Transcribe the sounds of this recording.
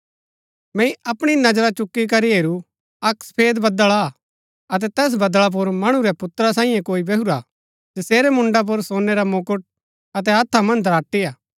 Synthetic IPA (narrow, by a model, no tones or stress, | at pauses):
mɛ̃ːĩɐpɽ̃inɐd͡ʒɾat͡ʃʊkːik̬ɐɾiɦeːɾu | ɐkspʰeːd̪bɐd̪əɭa | ɐt̪̬ɛt̪ɛːs̬bɐd̪ɭap̬ʊɾmɐɽ̃ũɾɛpʊt̪ɾasãːĩjẽkoːibeɦuɾa | d͡ʒɐseːɾɛmʊ̃ɳɖap̬ʊɾsoːnːeɾamokʊʈ̚ | ɐt̪̬ɛɐt̪ʰːamɐ̃nd̪ʱɐɾaːʈːijaː